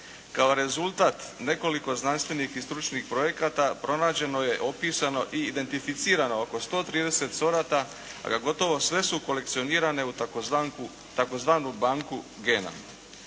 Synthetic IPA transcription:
kao̞ɾe̞zulˠt̪aːt̪ne̞ko̞liko̞znanst̪ʋe̞nixist̪ɾut͡ʃnixpɾo̞je̞kat̪apɾo̞naːd͡ʑe̞no̞je̞ʔo̞piːsano̞ʔiːd̪e̞nt̪ifit̪siːɾano̞oko̞st̪o̞ːt̪ɾiːd̪e̞se̞t̪so̞ɾat̪a | a̰ɡaɡo̞t̪o̞ʋo̞sʋe̞suko̞le̞k̚t̪sio̞niːɾane̞u | t̪ako̞zʋaːnubaŋku | ɡe̞ːna̰

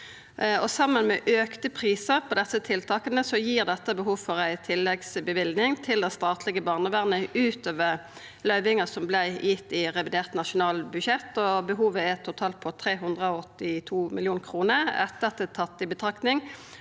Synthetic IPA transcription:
ɔsɑmːənmɛʔøːkt̪əpʰʁiːsəʁpʰɔd̪ɛsət̪ʰɪlt̪ʰɑːkənəsɔjiːʁd̪ɛt̪ːəbəɦuːʋfɔʁæɪt̪ʰɪlːɛɡsbəʋɪld̪nɪŋt̪ʰɪld̪ɛnst̪ɑːt̪lɪɡəbɑːʁnəʋæːʁnəʉːt̪oːʋəʁ | lœʏʋɪŋɑsɔmblæɪjɪt̪ːɪʁɛʋɪd̪eːʁt̪nɑʃʊnɑːlbʉʃɛt̪ːɔbəɦuːʋəɛt̪ʰʊt̪ʰɑːlt̪̚pʰɔt̪ʰʁeːɦʉnd̪ʁəɔɔt̪ːɪt̪ʰuːmɪ̰ljuːnkʰʁuːnəɾɛ̰t̪ːəɑt̪ɛt̪ʰɑt̪ːɪbət̪ʰʁɑkt̪nɪŋ

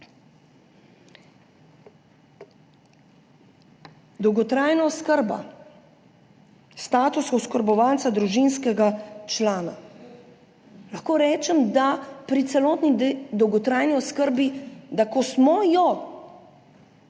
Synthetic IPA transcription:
d̪ɔwɡɔt̪ɾaːjnaɔskəɾba̰ | st̪aːt̪usɔskəɾbɔʋaːnt̪sad̪ɾuʒinskɛɡat͡ʃlaːna | laxkoːɾɛːt͡ʃɛmd̪apɾit̪sɛlɔːt̪nid̪ɔwɡɔt̪ɾaːjniɔskəɾbid̪akɔsmɔjɔ

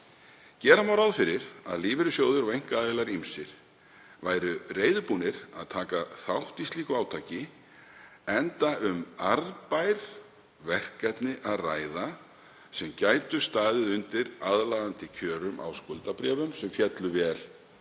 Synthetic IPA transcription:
cɛːɾamawɾaðfɪɾɪɾ̥a̰ðliːvɪɾʏsjoːwðʏɾavejŋ̥kaaðɪlaɾimsɪɾ̥ | vaːjɾʏreːjðʏpunɪɾaðt̪ʰaːkaθawht̪isliːkʏaːwt̪ʰaːcɪ | ɛnt̪aʔʏmaɾðpajɾ̥ | vɛr̥kːɛt̪nɪʔaðraːjða | sɛmcajt̪ʏst̪aːðɪðʏnt̪ɪɾaðlaːðant̪ɪcʰœːɾʏma̰wskʊlt̪apɾɛːvʏmsɛmfjɛt̪lʏvɛːl

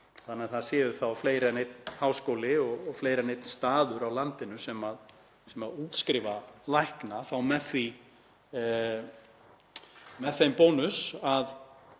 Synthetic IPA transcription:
θanːɛθaðsjɛːðʏθawfleːjɾɛnejt̪̚nhawskoːwlɪɔɣɔɣfleːjɾɛnejt̪nst̪aːðʏɾawlant̪ɪnʏsɛmað | sɛmaðuːt̪skɾɪːvalajhknaθawmɛθi | mɛðθejmpownʏsað

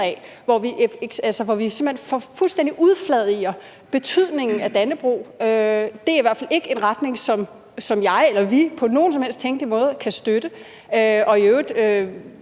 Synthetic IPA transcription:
ɛʋɒʋiʔe̥sælsəʋɒʋise̝m̥l̥ḛnfɒfulsd̥en̰d̥iʔuð̞ˠflɛðˠiɐ | b̥e̝t͡sʰyð̞̰ˠne̝ŋn̩æd̥ænəb̥ʁṵːød̥e̝æɐiʋæɐ̰fæle̝ɡ̥əe̝nʁad̥ne̝ŋsɒ̽m | sɒ̽mjɑ̈ɪelɐʋipʰɒ̽no̝ːn̩sɒmel̰sd̥̚t͡sʰeŋɡ̥limɔ̽ːð̞̩ˠkʰæsd̥ød̥ə | øɒ̽iøʊdˠø

